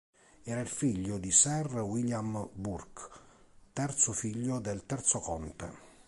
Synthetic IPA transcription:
ɛːɾailfiʎːʊd̪isɛrwiljamburk | t̪ɛrt̪sʊfiʎːʊd̪elt̪ɛrt̪sokɔnt̪ḛ

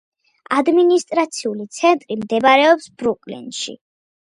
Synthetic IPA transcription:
ad̪minist̪ʼɾat̪sʰiulit̪sʰɛnt̪ʼɾimd̪ɛbaɾɛɔpsb̥ɾukʼlḭnʃḭ

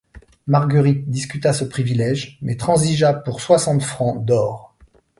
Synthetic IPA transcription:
maʁɡəʁit̪̚d̪iskʲyt̪asəpχivilɛʒmɛt̪χɑ̃ziʒapuʁswasɑ̃t̪fχɑ̃d̪ɔːʁ

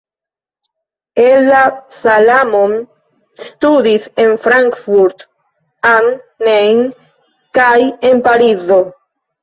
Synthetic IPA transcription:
elːasalamom | st̪ud̪ise̞nfɾaŋkfuɾt̪ | aŋːejn | kajenpaɾizo

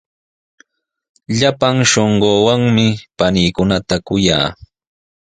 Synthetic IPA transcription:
ʎapaŋʃoɴɢoːwaŋmɪpaniːkʊnat̪akʊja̰ː

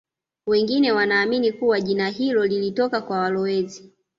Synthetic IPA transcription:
wɛŋɡinɛwanaːminikuwaʄinaɦilɔlilitɔkakwawalɔɛzi

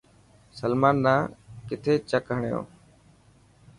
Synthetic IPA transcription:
səlmaːnɗãːkɪt̪ʰeːt͡ʃəkɦəɳjõ̰ː

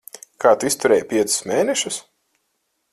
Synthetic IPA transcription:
kʰaːt̪uist̪uɾɛːjpʲiɛt̪sɨ̥smʲeːnɛʃus

